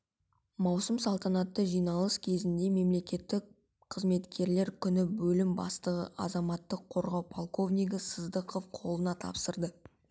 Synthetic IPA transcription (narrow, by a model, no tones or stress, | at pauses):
mɑwsəmsɑlˠt̪ʰɑnɑt̪ːəʒijnɑlˠəskʲʰe̞zɪnd̪e̞me̞mle̞kʲe̞t̪ːɪk | qʰəzme̞t̪kʲe̞ɾle̞ɾkʲʰʏnɪbɵlɪmbɑ̰st̪əʁə̰ʔɑ̰zɑmɑt̪ːəqʰːo̞ɾʁɑwpʰolˠko̞vnʲijɡəsəzd̪əqo̞fqʰo̞lˠənɑt̪ʰɑ̰psəɾd̪ə